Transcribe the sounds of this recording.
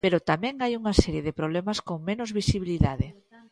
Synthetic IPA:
peɾot̪amɛ̃ŋajuŋasɛɾjeðepɾoβlɛmaskoŋmenʊzβisiβ̞iliðaðɪ

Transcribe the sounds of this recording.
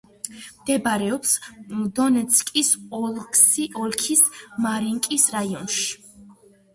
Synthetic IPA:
md̪̥ɛbaɾɛɔpsd̪ɔnɛt̪sʰkʼisɔlksiɔlˠkʰismaɾiŋkʼisɾaiɔnʃi̥

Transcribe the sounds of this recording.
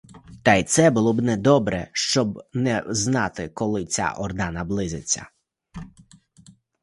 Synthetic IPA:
t̪ɑjt̪sɛbʊlˠɔbnɛd̪ɔbɾɛʃt͡ʃɔbnɛznɑt̪ɪkɔlˠɪt͡sʲa̰ʔɔrd̪ɑnɐblˠɪzʲɪt͡sʲːɐ̰

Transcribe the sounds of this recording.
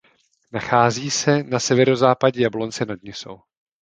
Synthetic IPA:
naxaːziːsɛnasɛvɛɾo̞zaːpaɟɛjablo̞nt͡sɛnad̚ɲɪso̰w

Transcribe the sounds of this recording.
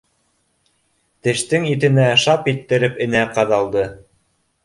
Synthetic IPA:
t̪ɘ̆ʃt̪ɘŋit̪̬ɘ̆næʃɑpit̪ːɘ̆ɾɘpɘ̆næqɑðɑlˠd̪ɤ

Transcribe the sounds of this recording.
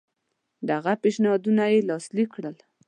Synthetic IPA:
d̪aɣapeʃnɑd̪unajelɑslikːɽəl

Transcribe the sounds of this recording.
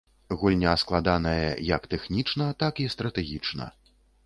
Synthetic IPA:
ɣulʲnʲɐːsklˠad̪an̪ɐjɐ̰jɐkt̪ɛxnʲit͡ʂnɐt̪akist̪ɾɐt̪ɛɣʲit͡ʂnɐ̰

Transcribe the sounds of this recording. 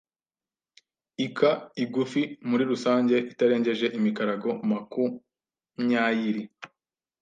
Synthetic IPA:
ikʰaiɡufimuɾiɾusaːɲɟe̞ʔitaɾe̞ːɲɟe̞ʒe̞ʔimikaɾaɡo̞maku | mɲaːjiɾi

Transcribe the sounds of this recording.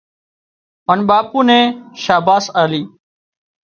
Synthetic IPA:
ənɓaːpuːnẽːʃaːbaːsaːliː

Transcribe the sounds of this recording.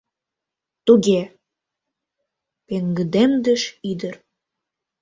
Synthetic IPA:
t̪uɣe | peŋɡə̆d̪emd̪ə̆ʃid̪ə̆r

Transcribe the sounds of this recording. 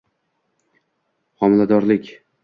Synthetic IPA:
χɒmɪlad̪ɒɾlɪkʲ

